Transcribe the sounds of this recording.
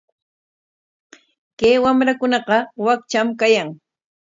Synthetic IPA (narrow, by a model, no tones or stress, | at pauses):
keːwamɾakʊnɑqɑwak̚t͡ʃamkajaŋ